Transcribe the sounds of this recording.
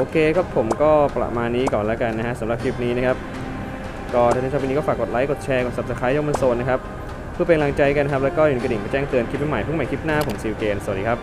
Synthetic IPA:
ʔoː˧kʰeː˧kʰa˦˥pʰːo˩˦mkɔː˥˩pla̰˨˩maː˧nːiː˦˥kɔː˨˩nlɛː˦˥ka˧nːa˦˥kʰa˦˥ʔsa˨˩˦mɾa˨˩kʰi˦˥p̚niː˦˥na˦˥kʰa˦˥p̚ | kɔː˥˩aː˧ni˦˥˧pːniː˦˥kɔː˥˩faː˨˩k̚ːo˨˩t̪̚la˦˥jko˨˩t̪̚t͡ɕʰɛː˧ko˨˩sa˨˩p̚sa˧˩kʰa˦˥jɔː˦˥ma˧nsoː˧na˦˥kʰa˦˥p̚ | pʰːɯ˥˩pa˧ka˧la˧ŋt͡ɕa˧jka˧nʰ˥a˦˥p̚lɛ˦˥wkɔː˥˩ju˨˩˨ka˧di˨˩nmpa˧t͡ɕɛː˥˩ŋt̪ɯ˧ənkʰi˦˥p̚ma˦˥ma˨˩˦jʰpʰɯ˥˩ma˨˦jkʰi˦˥p̚naː˥˩pʰo˩˦msiː˧wkeː˧nsa˨˩˨diː˧kʰp̚

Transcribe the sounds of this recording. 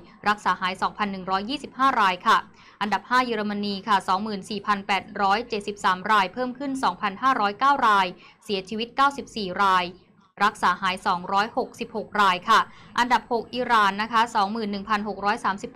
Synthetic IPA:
ɾa˦˥k̚saː˩˦haː˩˦jsɔː˩˦ŋpʰa˧nːɯ˨˩ŋɾɔː˦˥jːiː˥˩si˨˩p̚haː˥˩ɾaː˧jkʰa˥˩ | ʔa˧nda˨˩p̚haː˥˩jaː˧ɾa˧ma˧niː˧kʰa˥˩sɔː˩˦ŋmɯː˨˩nsiː˨˩pʰa˧npɛː˨˩t̪̚ɾɔː˦˥jt͡ɕe˨˩t̪̚si˨˩p̚saː˩˦mɾaː˧jpʰɤː˥˩mkʰɯ˥˩nsɔː˩˦ŋpʰa˧nɦaː˥˩ɾɔː˦˥jkaː˥˩wɾaː˧j | si˩˦ɐt͡ɕʰiː˧wi˦˥t̪̚kaː˥˩wsi˨˩p̚siː˨˩ɾaː˧j | ɾa˦˥k̚saː˩˦haː˩˦jsɔː˩˦ŋɾɔː˦˥jho˨˩k̚si˨˩p̚ho˨˩k̚ɾaː˧jkʰa˥˩ʔa˧nda˨˩p̚ho˨˩k̚ʔiː˨˩ɾaː˨˩nːa˦˥kʰa˦˥sɔː˩˦ŋmɯː˨˩nːɯ˨˩ŋpʰa˧nɦo˨˩k̚ɾɔː˦˥jsaː˩˦msi˨˩p̚ː

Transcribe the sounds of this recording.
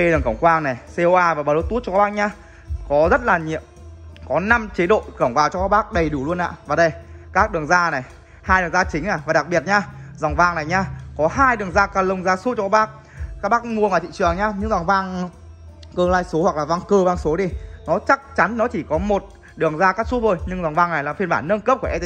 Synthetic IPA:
ɗɨ˨˩əŋkə˧˩ŋ͡mkwaː˧ŋna˨˩jse˧o˧ʔaː˧vaː˨˩ɓaː˨˩lo˨˦˥t̪u˦˥t̚ɔ˧kːɓaː˦˥ɲaː˧ | kɔ˨˦zə˦˥t̚laː˨˩ɲḭ˧˨əmkɔ˨˦na˧mt͡ɕe˨˦ɗo̰˧˨kə˧˩wŋ͡mvaː˨˩wt͡ɕɔ˧kaː˦˥k̚ɓaː˦˥k̚ɗə˨˩jɗu˧˩lu˧ənʔa̰ː˧˨vaː˨˩ɗə˧jkaː˦˥k̚ɗɨ˨˩əŋzaː˧na˨˩j | haː˧jɗɨ˨˩əŋzaː˧t͡ɕï˨˦ŋ̟naː˧˩vaː˨˩ɗa˨˩k̚ɓi˨˩ət̚ɲaː˧zwŋ͡mvaː˧ŋna˨˩jɲaː˧kɔ˨˦ɦaː˧jɗɨ˨˩əŋzaː˧kaː˧˩lə˧wŋ͡mzaː˧su˦˥tt͡ɕɔ˧kaː˦˥ɓaː˦˥k̚ | ka˦˥ɓaː˦˥k̚ŋu˧˩ənʔəː˧˩t̪ḭ˧˨t͡ɕɨ˨˩əŋɲaː˧ɲɨ̰˧ŋzaː˨˩ŋvaː˧ŋ | kəː˧laː˧jso˨˦hwa˨˩klaː˨˩vaː˧ŋkəː˧vaː˧ŋso˨˦ɗi˧nɔ˨˦t͡ɕa˦˥k̚t͡ɕa˨˦nnɔ˨˦t͡ɕi˧˩kɔ˨˦mo˨˩t̚ | ɗɨ˨˩əŋzaː˧kaː˦˥k̚su˦˥vo˧˩jɲɨ˧ŋza˨˩wŋ͡mvaː˧ŋna˨˩jlaː˨˩fi˧ənɓaː˧˩nːə˧nkə˦˥p̚ku˧˩ʔɛ˧

